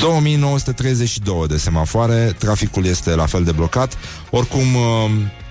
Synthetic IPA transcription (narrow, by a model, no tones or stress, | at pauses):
d̪̥o̞wəmijno̞wəsu̥t̪e̞t̪ɾe̞jze̞t͡ʃʃid̪o̞wəd̪e̞se̞mafoaɾe̞t̪ɾafikulje̞st̪e̞lafe̞ld̪e̞blo̞kat̪ | o̞rkum